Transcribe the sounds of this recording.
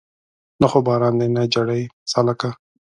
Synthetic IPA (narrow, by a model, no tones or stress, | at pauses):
naxobɑɾɑnd̪enad͡ʒaɽajsalaka